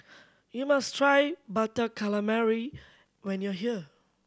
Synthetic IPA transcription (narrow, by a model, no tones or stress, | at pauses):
jumastʰɹajbatəkʰaləmɛɹi | wɛ̃njɔɦiə